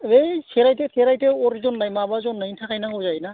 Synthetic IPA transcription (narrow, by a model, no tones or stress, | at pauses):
ejsʰeɾajtet̪ʰeɾajteɔɾzɔnlajmabazɔnːɯjtʰakʰajnakɔzajna